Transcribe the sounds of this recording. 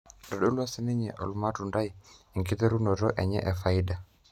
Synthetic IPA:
dɔ˨ɗo˦la˦sɪ˦nɪ˦ɲɛ̰˨ʔɔ̰˨lʊ˦ma˦tu˨nda˦ji˨ŋki˦t̪ɛ˦ɾu˦nɔ˨ɾɔ˦ʔɛ˨ɲɛ̰˦ʔɛ˨fa˨ɪ˦da˨

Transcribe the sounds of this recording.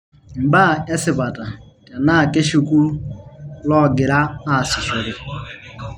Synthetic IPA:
ŋ͡m̩˨ba˦˨e˦sɪ˨pa˨ta˨ta˨na˦˨ke˦ʃi˦ku˦ɾu˦lɔ˦˨ɡɪ˨ɾa˦a˨sɪ˨sʊ˨ɾɪ˨

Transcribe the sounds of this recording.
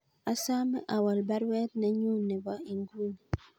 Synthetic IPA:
a˨sa˦mɛ̰˦ʔa˨wa˨lba˦ɾwɛ˦t̚na˦ɲu˦˨nɛ˨ba˦i˨ŋɡu˦n˨

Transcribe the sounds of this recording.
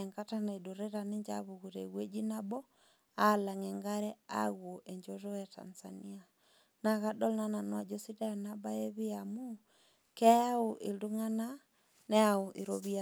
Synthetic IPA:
ŋka˦ta˦na˨e˨do˨ɾɛ˦ɾa˨ne˦ɲd͡ʒa̰βu˨ɣu˨ɾɛ˨ɣwe˦d͡ʒi˦nabɔ˦ | ala˨ŋɛ˨ŋɡa˦ɾɛ˦a̰˦ɣwo˨ʔɛ˨ɲd͡ʒɔtɔ˦ja˨ta̰˨nza̰˨ni˦a˨ | na˨ɣa˦dɔ˦lna˦na˨nwa˨d͡ʒo˦si˦da˦a˨naba˦e˦βɪ˦amu˦ | kɛ˦a˦oʔe˨ldu˦ŋa˦na | nɛ˦ao˨ʔe˨ɾoβia

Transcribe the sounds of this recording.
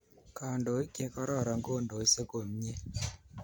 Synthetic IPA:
ka˨ndo˨˦i˦ke˦kɔ˦ɾɔ˦˨ɾa˨ŋɡo˦˨ndo˨i˦se˦ko˨m˦ɲe˦

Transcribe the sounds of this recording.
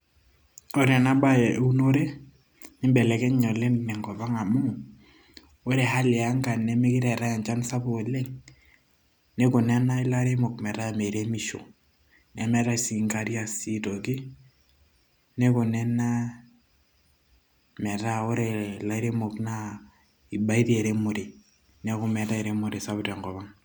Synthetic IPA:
o˦ɾɛ˨na˦ba˦jɛ˨˦u˦no˦ɾe˦ | ɪ˦mbɛ˨lɛ˨kɛ˦ɲɔ˨le˦nnɛ˨ŋɡɔ˨βa˦ŋa˨mu˦ | o˦ɾe˨ha˦lɛ˨a˦ŋɡa˨nɛ˦mɪ˦kɪ˦ɾɛ˨ɾa˦ja˨nt͡ʃa˦nsa˦bo˨lɛ˦ŋ | nɛ˦kʊ˨nɛ˦na˦ɪ˦la˦ɾe˦mo˨k̚mɛ˨ɾa˦me˨ɾe˦mi˨ʃo̰˨ | nɛ˨˦mɛ˨ɾa˦si˨ŋka˦ɾi˦a˦si˦tɔ˨ki˦ | nɛ˦ku˨nɛ˦na˦ | mɛ˨ɾa˦o˦ɾɛ˨la˦ɾe˦mo˨kna˦ | i˨ba˦i˦ti˦ɛ˨ɾe˦mu˨ɾe˨ | nɛ˦ku˦mɛ˨ta˦ɛ˨ɾe˦mu˨ɾe˨sa˦βtɛ˨ŋɡɔ˨βa˦ŋ

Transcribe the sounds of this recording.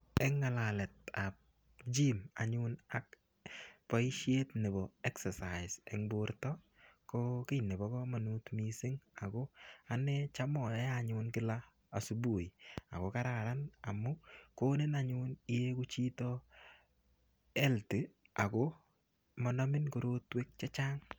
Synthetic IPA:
ɛ˦ŋːa˨la˨lɛ˨t̚a˨p̚ | d͡ʒi˦ma̰˨ɲʊna˨k̚ | pɔ˦i˦ʃe˦tnɛ˨bɔ˨ɛ˦ksɛsa˨ɪsɛ˨ŋboɾtɔ˦ | kɔkɪ˦jnɛ˨bɔ˨˦kɔ˦ma˨nu˦tmi˦sɪ˦ŋa˨kɔ˦a˨nɛt͡ʃa˦mɔ˨jja˨ɲʊ˦nkɪ˦laː˨ | su˦bu˨a̰˨kɔ˨ka˦ɾa˨ɾana˨mʊ˦koː˦ne˦na˨ɲʊ˦ni˦je˦ku˦t͡ʃi˦tɔ˦ | ɛ˦ltɪ˨ | a˨kɔ˦ | mɔ˨nɔ˦mɪ˦nkoɾo˦twe˦k̚t͡ʃa˦t͡ʃa˦ŋ

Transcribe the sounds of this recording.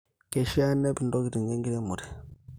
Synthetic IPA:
ke˨ʃa˦ne˦bi˨ndo˦ki˨ɾi˨ŋɡe˦ŋɡi˦ɾe˦mu˨ɾi˨

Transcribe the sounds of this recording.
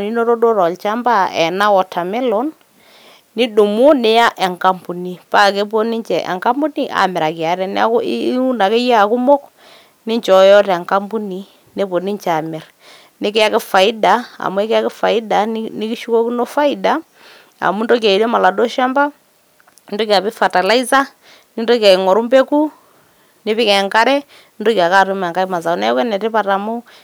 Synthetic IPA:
ni˦no˦ɾo˦do˦ɾɔ˨lt͡ʃa˦mba˦ɛ̰˨na˦wɔ˨tʰa˨mɪ˦lɔ˦n | nɪ˦du˨mʊ˦nɪ˨˦ja˦ʔɛ˨ŋka˦mpu˨ni˨pa˦˨ke˦p̬o˦nɪ˦ɲt͡ʃɛ˨ʔɛ̰˨ŋka˦mbu˦ni˦ʔa̰˨mɪ˨ɾa˨kɪ˨a˨˦ɾɛ˦n˦a̰˦ku˦na˨ke˦ja˦a˨ku˦mo˦k | nɪ˦ɲt͡ʃɔ˨˦jɔ˦tɛ˨ŋka˦mbu˦ni˨ | ne˦po˨ni˦ɲt͡ʃa˨mɪ˨ɾ | nɪ˦kɪ˦a˦kɪ˦fa˨ɪ˦da˨a̰˨mu˦ɛ˦kɪ˦a˦kɪ˦fa˨ɪ˦da˨nɪ˦ki˦ʃu˦kɔ˦knɔ˦fa˦ɪ˦da˦ | a̰˨mu˦ndɔ˦ka˨i˨le˦ma˨la˨dɔ˦ʃa˦mba˦ | ndɔ˦ki˨a˨pɪ˦fa˨ta˨la˦i˦sa˦ | nɪ˦ndɔ˦ki˨a˨ɪ˨ŋɔ˨ɾu˦mbe˦ku˦ | nɪ˦pɪ˦kɛ˨ŋka˦ɾɛ˦ | nɪ˦ndɔ˦ki˨a˨ka˦˨tʊ˦ma˨ŋka˦i˦ma˨s̬a˨˦nɛ˦kɛ˦nɛ˨tɪ˦pa˦˨ta˨mʊ˦

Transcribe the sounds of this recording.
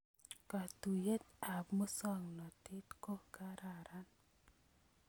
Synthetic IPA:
ka˨t̪u˨je˦t̪̚a˨pmu˦sɔ˦ŋlɔ˨ti˦t̪ko˦ɡaɾaɾan

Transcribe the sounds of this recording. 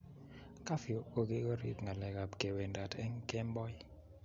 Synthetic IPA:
ka˦fi˨o˨o˨ɡe˦ɡo˦ɾḭ˦tŋa˨lɛ˨ɡa˨bke˨we˨nda˨tɛ˦ŋkɛ˦mbɔ˦j

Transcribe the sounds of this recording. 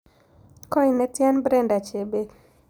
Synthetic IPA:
kɔ˦i˨nɛ˦tja˦nbɾɛ˦nda˨t͡ʃe˨be˦

